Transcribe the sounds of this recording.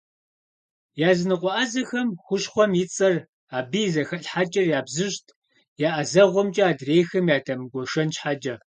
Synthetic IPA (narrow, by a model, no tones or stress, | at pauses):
jaːzɨnɨqʷɔʔazɐxɐmxʷʊɕχʷɔmjɪt͡sʼɐr | aːbijzɐxɐɬħat͡ʃʼɐrjaːbzɨɕtʰ | jaːʔɐzɐʁʷɔmt͡ʃʼɐaːdreːjxɐmjaːtʰɐmɡʷɔʃɐnɕħad͡ʒʼɐ